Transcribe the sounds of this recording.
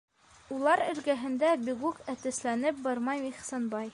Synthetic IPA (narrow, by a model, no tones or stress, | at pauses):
ulˠɑɾɘ̆ɾɡæɦɘ̆nd̪æbiɡʉkæt̪ɘ̆slænɘp̚bɑɾmɑjmiχsɑnbɑj